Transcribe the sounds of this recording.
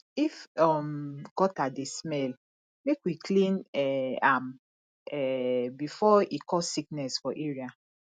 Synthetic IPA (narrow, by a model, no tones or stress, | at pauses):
ifɔmɡɔtadesmɛl | mekwiklĩnɛam | ɛbifɔikʰɔsiknɛsfɔʔeɹia